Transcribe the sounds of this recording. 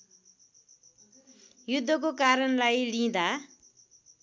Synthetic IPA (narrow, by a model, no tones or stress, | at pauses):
jud̪ʱːʌkokaɾʌnlajlĩd̪a